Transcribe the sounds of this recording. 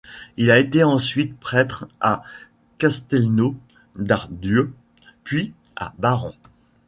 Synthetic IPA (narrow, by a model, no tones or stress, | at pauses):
ilaet̪eɑ̃sɥit̪̚pχɛt̪χa | kast̪ɛlno | d̪aʁd̪jø | pɥi | a̰baʁɔ̃